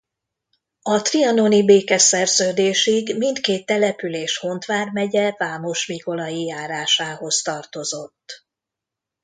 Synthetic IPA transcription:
ɒt̪riɒno̞nibeːkɛsɛrzøːd̪eːʃiɡmint̪keːt̪ːɛlɛpyleːʃho̞nt̪ʋaːrmɛɟɛvaːmo̞ʃmiko̞lɒjijaːɾaːʃaːho̞st̪ɒrt̪o̞zo̞t̪ː

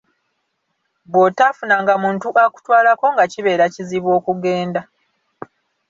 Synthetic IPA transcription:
bo̞tafunaŋɡamuːntuʔaku̥twaːlako̞ŋɡaciβe̞ːɾaciziβo̞ːkuɡe̞ːnda

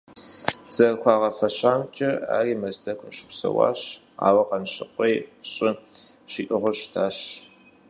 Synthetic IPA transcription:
z̥ɐrxʷɑːʁɐfɐɕaːmt͡ʃʼɐa̰ːriːmɐzdɐkʷʰʼʊmɕɪ̥psɐ̰wɑ̰ːɕ | a̰ːwɐqɐnɕɪqʷʼejɕʼɪɕiːʔɪʁʊɕtʰaːɕ

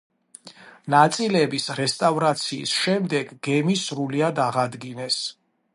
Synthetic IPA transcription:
nat̪sʼilɛbisɾɛst̪ʼavɾat̪sʰḭːsʃɛmd̪ɛɡɡɛmisɾuliad̪aʁad̪ɡinɛs

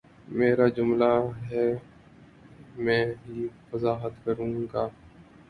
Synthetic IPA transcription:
meːɾad͡ʒʊmlaɦɛ | mɛ̃ːɦifəzaːɦət̪kəɾũːɡaː

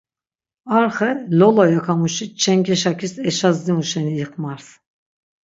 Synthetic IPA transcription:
aɾχɛlɔlɔjakʰamuʃit͡ʃʰɛŋkʰɛʃakʰʲisɛʃazd̪imuʃɛnijɨqʰʼmaɾs

